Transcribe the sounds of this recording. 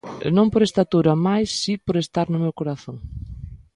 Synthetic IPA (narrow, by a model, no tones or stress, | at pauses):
nõmpoɾest̪at̪uɾamajsːipoɾest̪aɾnʊmewkoɾaθõŋ